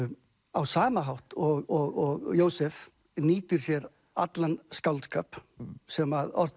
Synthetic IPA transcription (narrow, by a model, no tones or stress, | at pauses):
awsaːmaɦawht̪ɔɣɔɣɔɣjoːwsɛf | niːt̪ʏɾ̥sjɛɾ | a̰t̪lanskawlt̪ska̰ːpsɛmaðɔ̰r̥t̪